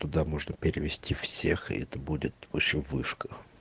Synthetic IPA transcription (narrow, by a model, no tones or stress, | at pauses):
t̪ʊd̪amo̞ʐnəpʲɪɾʲɪvʲɪsʲtʲifsʲexɪ̰ɛt̪əbudʲɪt̪vopɕɪmvɨʂkə̥